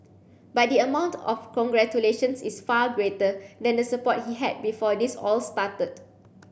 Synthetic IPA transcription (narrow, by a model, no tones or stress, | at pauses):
bat̚diəmãw̃ntɔ̰fkɔ̃ŋɡɹɛt͡ʃuleʃə̃nsisfaɡɹetədɛ̃ndəsəpɔt̚hiɦɛd̚bifɔdisɔlstatət̚